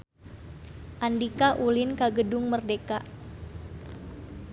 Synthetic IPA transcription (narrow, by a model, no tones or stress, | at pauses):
ʔandikaʔulɪnkaɡədʊŋmərdekaʔ